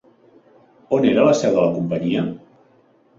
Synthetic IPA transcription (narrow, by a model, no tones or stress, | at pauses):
oneɾələsɛwðələkumpəɲiə